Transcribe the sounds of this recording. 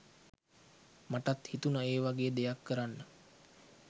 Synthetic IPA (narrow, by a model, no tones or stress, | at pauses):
maʈat̪hit̪unəeːʋaɡeːəd̪ejakːəɾanːə